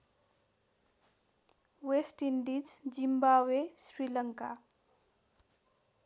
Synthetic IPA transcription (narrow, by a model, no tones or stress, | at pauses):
wesʈiɳɖid͡zd͡zimbabesɾilʌŋka